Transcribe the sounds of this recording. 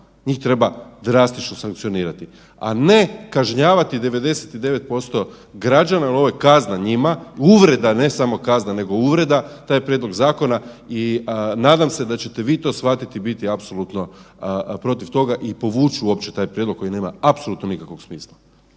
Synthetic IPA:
ɲiːxt̪ɾe̞bad̪ɾast̪it͡ʃnosaŋkt̪sioniːɾat̪i | a̰ne̞kaʒɲaːʋat̪id̪e̞ʋe̞d̪e̞set̪id̪e̞ʋe̞t̪̚po̞st̪o̞ | ɡɾad͡ʒanailo̞ʋojekaznaɲimauʋɾe̞d̪ane̞samo̞kaznane̞ɡo̞uʋɾe̞d̪at̪aːjpɾje̞d̪lo̞ɡzaːko̞nainaːd̪amse̞d̪at͡ɕet̪e̞ʋiːt̪o̞ːsxfat̪it̪ibit̪iapso̞lˠut̪no̞ | pɾo̞t̪iʋt̪o̞ɡaʔipo̞ʋuːt͡ʃuuo̞pt͡ɕet̪aːjpɾʲjed̪lo̞ko̞jine̞ːmaapso̞luːt̪no̞nikakʋo̞ksmiːslˠa

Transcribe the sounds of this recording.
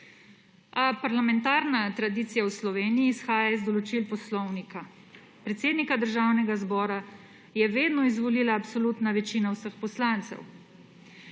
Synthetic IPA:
apaɾlamɛnt̪aːɾnat̪ɾad̪iːt̪sijawslɔʋeːnijiːsxaːjazd̪ɔlɔt͡ʃilpɔslɔwnika | pɾɛt̪seːd̪nikad̪əɾʒaːwnɛɡazbɔːɾa | jɛʋeːd̪nɔizʋɔliːlaːpsoluːt̪naʋɛt͡ʃiːnawsəxpɔslaːnt̪sɛ̰w

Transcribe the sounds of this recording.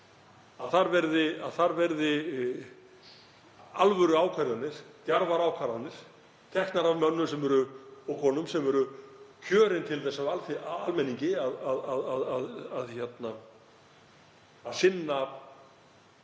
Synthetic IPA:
aðθaɾvɛɾðɪaðθaɾvɛɾðɪ | alvœɾʏaːwkʰvaɾjanɪɾ̥t̪jaɾvaɾaːwkʰaɾanɪɾ̥ | t̪ʰɛhknaɾavmœnːʏsɛmɛɾʏɔkʰɔːnʏmsɛmɛɾʏcʰœːɾɪnt̪ʰɪlθɛsːavalθalmɛniɲcɪaðaðaðaðaðaðçjɛt̪na | ðsɪnːa

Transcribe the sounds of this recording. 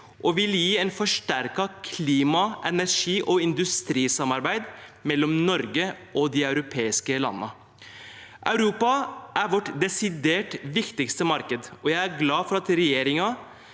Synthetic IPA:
ʔɔʋɪljiːɛɪnfɔʂʈæɾkɑkʰliːmɑʔɛnæɾʂiːʔɔɪnd̪ʉst̪ɾiːsɑmɑɾbæɪd̪mɛlːɔmnɔɾɡəʔɔd̪iɑʉɾʊpʰeːɪskəlɑ̰nːə̰ | ʔɑʉɾuːpɑʔæɾʋɔʈd̪ɛsɪd̪eːʈʋɪkt̪ɪkst̪əmɑɾkəd̪ɔjæɪæɡlɑːfɔɾɑt̪ɾɛjeːɾɪŋɑ

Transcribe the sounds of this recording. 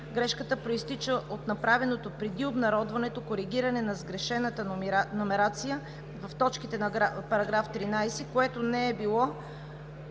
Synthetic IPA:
ɡɾɛʃkət̪əpɾoist̪it͡ʃəʔot̪nɐpɾavɛnot̪opɾɛd̪iobnɐɾɔd̪vɐnɛt̪okoɾiɡ̟iɾɐnɛnɐzɡɾɛʃɛnət̪ənomɛɾat̪sijə | vɐft̪ɔt͡ʃkit̪ɛnɐɡapɐɾɐɡɾaft̪ɾinajsɛkoɛt̪onɛɛbilˠɔ

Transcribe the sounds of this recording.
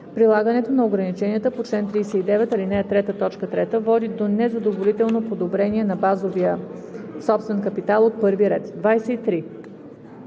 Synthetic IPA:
pɾilˠaɡənɛt̪onɐoɡɾɐnit͡ʃɛniət̪əpot͡ʃlɛnt̪ɾijsɛid̪ɛvɛt̪ɐlinɛjɛt̪ɾɛt̪ət̪ɔt͡ʃkət̪ɾɛt̪əvɔd̪id̪onɛzɐd̪ovolit̪ɛlˠnopod̪obɾɛniɛnɐbazovijəsɔpst̪vɛnkəpit̪alˠot̪̚pɤɾviɾɛt̪d̪vajsɛit̪ɾi

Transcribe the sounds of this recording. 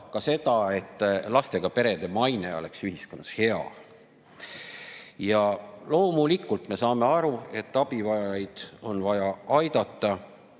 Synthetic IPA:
kɑse̞d̪̥ɑe̞t̪ːˑlɑst̪e̞ɡ̥ɑpe̞ɾe̞d̪e̞mɑjne̞̰o̞̰le̞̰ksyɦisko̞nːɑ̥she̞ɑ̰ | jɑlo̞ːmulikːult̪me̞sɑːme̞ɑɾue̞t̪ːɑb̥ivɑjɑɑjd̪̥o̞nvɑjɑɑjd̪̥ɑt̪ːɑ

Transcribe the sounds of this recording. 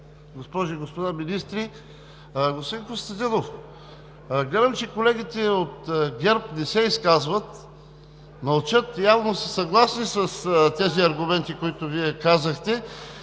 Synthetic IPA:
ɡospɔʒiɡospod̪aminist̪ɾi | ɡospod̪inkost̪ɐd̪inof | ɡlʲɛd̪ɐmt͡ʃɛkolɛɡit̪ɛot̪ɡʲɛɾpnɛsɛiskazvət̪ | mɐlˠt͡ʃɤt̪javnosəsɐɡlˠasnisɐst̪ɛziɐɾɡʊmɛnt̪ikoit̪ʊviɛkazəxt̪ɛ

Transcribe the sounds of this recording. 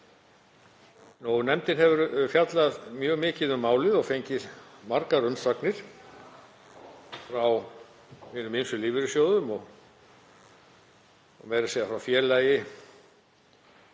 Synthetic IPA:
nownɛmt̪ɪnhɛvʏɾfjat̪laðmjœːɣmɪːcɪðʏmːaːwlɪðɔɣfejɲcɪmaɾkaɾœnsaknɪɾ̥ | fɾaw | hiːnʏminsʏliːvɪɾʏsjoːwðʏmɔɣ | mɛːɾɪsɛːɣðafɾawfjɛːlajɪ

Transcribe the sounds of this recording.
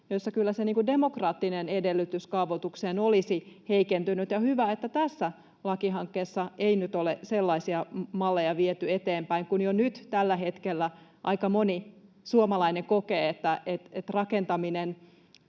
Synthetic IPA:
josːɑkylːæseniːŋkude̞mo̞krɑːt̪ːinenedelːyt̪yskɑuʋot̪ukseːnolisiheikent̪ynyt̪jɑhyʋæet̪ːæt̪æsːæ | lɑkiɦɑŋkːeːsːɑeinyt̪oleselːɑisiɑmɑlːejɑʋiet̪yet̪eːmpæiŋkunjonyt̪t̪ælːæɦet̪kelːæʔɑ̰ikɑmoni | suomɑlɑineŋkokeːet̪ːæet̪et̪rɑkent̪ɑminen

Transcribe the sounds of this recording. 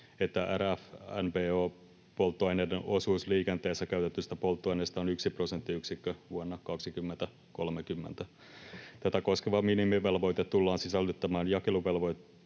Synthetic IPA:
et̪ːæʔæɾæfænpeːoː | polt̪ːoɑjneːdenʔosuːsliːkent̪eːsːækæyt̪et̪ːyst̪æpolt̪ːoɑjneːst̪ɑonyksiprosent̪ːiyksikːøʋuonːɑkɑksikymːent̪æ | kolmekymːḛnt̪æ | t̪æt̪ækoskeʋɑminimiʋelʋo̞jt̪et̪tulːɑːnsisælːyt̪ːæmæːnjɑkeluʋelʋojt̪

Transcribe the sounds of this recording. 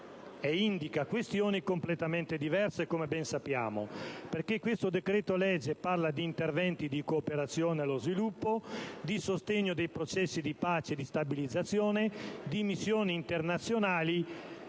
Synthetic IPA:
eind̪ikakwest̪joːnikomplet̪amɛnt̪ed̪ivɛrsekomebɛnsapːja̰ːmo̰perkekːwest̪od̪ekɾeːt̪olɛd͡ʒeparlad̪iːnt̪ervɛnt̪id̪ikoːpeɾat̪sːjoːnealozvilupːod̪isost̪eɲːod̪ejpɾot͡ʃɛsːid̪ipaːt͡ʃed̪ist̪abilid̪zːat̪sːjoːned̪imisːjoːniːnt̪ernat̪sːjonaːli

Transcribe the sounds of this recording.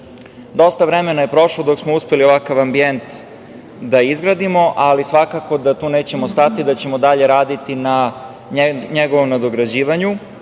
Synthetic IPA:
d̪o̞st̪aʋɾemenaje̞pɾo̞ʃlod̪o̞ksmouspelio̞ʋakaʋambient̪ | d̪aizɡɾad̪imo̞ʔalisʋakako̞d̪at̪uːneːt͡ɕe̞most̪at̪id̪at͡ɕe̞mod̪aʎe̞ɾaːd̪it̪ina | ɲeɡo̞ʋo̞mnad̪o̞ɡɾad͡ʑiːʋaɲu

